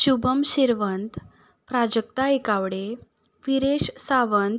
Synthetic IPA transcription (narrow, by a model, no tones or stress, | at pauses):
ɕubəmɕiɾʋənt̪ | pɾad͡ʑək̚t̪aekaʋɽe | ʋiɾeɕsaʋənt̪